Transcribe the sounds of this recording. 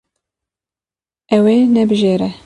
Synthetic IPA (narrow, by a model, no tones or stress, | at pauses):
ɛwenɛbɨʒeːɾɛ